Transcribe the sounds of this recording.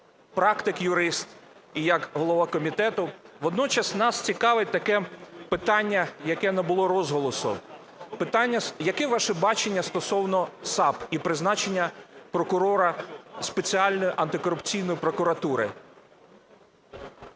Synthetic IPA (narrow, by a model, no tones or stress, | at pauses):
pɾɑkt̪ɪkjʊɾɪst̪ijɐkɦɔlˠɔʋɑkɔmʲit̪ɛt̪ʊʋɔd̪nɔt͡ʃɐsnɑst͡sʲikɑʋɪt̚ʲt̪ɐkɛpɪt̪ɑnʲːɐjɐkɛnɐbʊlˠɔɾɔzɦɔlˠɔsʊ̰ | pɪt̪ɑnʲːɐjɐkɛʋɑʃɛbɑt͡ʃenʲːɐst̪ɔsɔwnɔsɑpipɾɪznɑt͡ʃenʲːɐpɾɔkʊɾɔɾɐspet͡sʲiɑlʲnɔjʊʔɐnt̪ɪkɔɾʊpt͡sʲijnɔjʊpɾɔkʊɾɐt̪uɾɪ